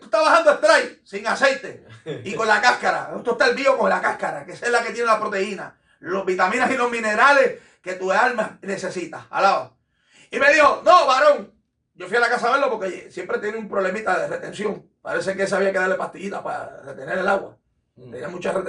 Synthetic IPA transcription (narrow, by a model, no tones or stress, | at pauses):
ut̪aβahand̪oe̞ht̪ɾajsiŋase̞jt̪e̞iko̞nlakahkaɾa̰et̪oht̪aelβio̞koŋlakahkaɾakeselake̞t̪je̞nelapɾot̪e̞ina̰ | lo̞ɦβit̪amĩnasilo̞ɦmĩne̞ɾale̞h | ke̞t̪ualmahne̞se̞sit̪aha̰lao | ime̞ðiho̞nõβaɾo̞ŋ | ɟ͡ʝo̞fialakasaβeɾlopo̞ɾkejesjempɾet̪jeneumpɾo̞βle̞mit̪aðeret̪e̞nsjo̞ŋ | pa̰ɾe̞sekees̬aβiake̞ðaɾle̞paht̪iʝit̪apa̰ret̪e̞neɾelaɣwa̰ | t̪ḛnamũt͡ʃaret̪